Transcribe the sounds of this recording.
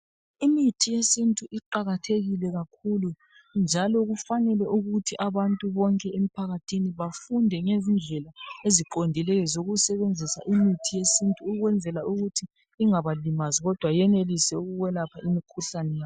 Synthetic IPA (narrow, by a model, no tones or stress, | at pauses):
imitʰijesintʼuʔiǃaɣatʰeɣilɛɣakʰulu | nd͡ʒʱalɔɣufanɛlɛʔuɣutʰiʔaβantʼuβɔŋkʼɛemipʰaɣatʰiniβafundʱɛŋezind͡ɮʱɛlaeziǃondʱilɛjɔzoɣusɛβend͡zʱisa̰ʔimitʰijesintʼuːɣwɛnd͡zʱɛlauɣutʰiː | ŋaβalimaziɣɔd̥ʱwajɛnelisɛuɣuɣwɛlapʰaimikʰuɬanɛjaːɔ